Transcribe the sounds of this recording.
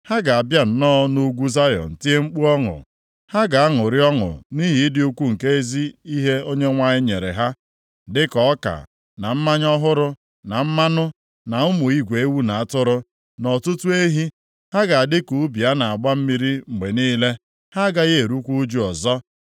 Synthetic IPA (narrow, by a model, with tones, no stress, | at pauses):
ha˦ɡa˨a˨bja˦n̩˨nɔː˦no˦ɡʷu˦za˦jɔ̰˨n̩˨ti˦e˦ŋ͡m̩˦k͡pu˦ɔ˦ŋʊ̰˨ | ha˦ɡa˨a˦ŋʊ˨ɾɪ˦ɔ˦ŋʊ̰˨ni˦ɦi˨˦dɪ˦u˦kʷu˦ŋ̩˨ke˦e˦zi˦i˦ɦe˦o˦ɲe˦ŋʷa˨ɲɪ˦ɲe˨ɾḛ˨ɦa˦ | dɪ˦kɔ˨˦ka̰˨ | na˨m̩˦ma˦ɲɔ˦ɦʊ˦ɾʊ˦ | na˨m̩˦ma˦nʊ˦ | na˨ʊ˦mʊ˨i˦ɡʷe˨e˦wu˦na˨a˦˨tʊ˦ɾʊ˦ | nɔ˨tʊ˦tu˦e˦ɦi˦ | ha˦ɡa˨a˨dɪ˦ku˨˦bi˨a˦na˨a˨ɡ͡ba˦m̩˦mi˦ɾi˦ŋ͡m̩˨ɡ͡be˨niː˦le˦ | ha˦ɡa˦je˦˨e˨ɾu˦kʷu˦d͡ʒu˦ɔ˨zɔ˦